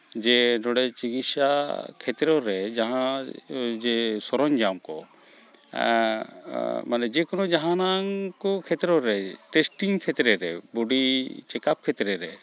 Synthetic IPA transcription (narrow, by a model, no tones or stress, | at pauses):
d͡ʒɛnɔɽɛt͡ʃiɡitsakʰɛt̪ɾɔɾɛd͡ʒaɦã | d͡ʒɛsɔɾɔɲd͡ʒamkɔ | manɛd͡ʒɛkɔnɔd͡ʒaɦãnaŋkɔkʰɛt̪ɾɔɾɛʈɛsʈiŋkʰɛt̪ɾɛɾɛbuɖit͡ʃɛkap̚kʰɛt̪ɾɛɾɛ̰